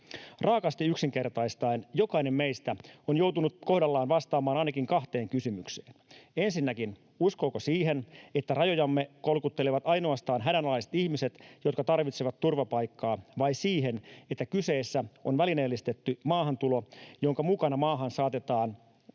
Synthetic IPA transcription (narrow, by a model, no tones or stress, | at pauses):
rɑːkɑst̪iyksiŋke̞rt̪ɑist̪ɑinjokɑine̞mmejst̪æonjo̞wt̪unutko̞hdɑlːɑːnʋɑst̪ɑːmɑːnɑinɑkiŋkɑxt̪eːŋkysymykse̥ːne̞nsinːækin | usko̞ːkosiːɦe̞ne̞t̪ːærɑjo̞jɑmːeko̞lkut̪ːe̞leʋɑt̪ɑjnoɑst̪ɑːnɦædænolɑiset̪ihmise̞t̪jo̞t̪kɑt̪ɑrʋit̪seʋɑt̪tːurʋɑpɑjkːɑːʋɑjsiːɦe̞net̪ːækyseːsːæonʋælineːlːist̪et̪ːymɑːhɑnt̪ulo̞jo̞ŋkɑmukɑnɑmɑːɦɑnsɑːt̪e̞t̪ɑːn